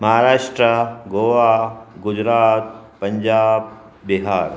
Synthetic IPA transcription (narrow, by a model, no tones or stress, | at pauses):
mɐɦaɾaːʂʈɾəɡoːʋaːɡʊd͡ʒɾaːt̪̚pɐɲd͡ʒaːb̚ | biɦaːɾ